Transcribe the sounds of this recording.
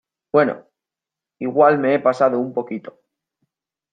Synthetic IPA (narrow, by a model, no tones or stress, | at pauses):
bwe̞no̰ | iɣwalme̞epasaðoumpo̞kit̪o̞̥